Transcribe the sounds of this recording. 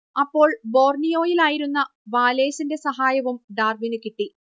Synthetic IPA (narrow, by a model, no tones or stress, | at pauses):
ɐpːo̞ːɭbo̞ːrnijo̞ːjilaːjiɾunːɐʋaːle̞ːsinde̞sɐɦaːjɐʋumɖaːrʋinɨkiʈːi